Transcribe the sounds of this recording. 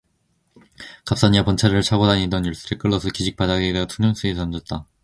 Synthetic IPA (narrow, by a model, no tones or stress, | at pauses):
kap̚s͈aɲiapont͡ɕʰaɾɯɭt͡ɕʰaɡodaɲidʌnjuɭs͈ɯɾek͈ɯɭːʌsʰɯkiɕʰik̚p͈adaɡedetʰunɯŋsʰɯet͡ɕʰʌnd͡ʑʌt̚t͈a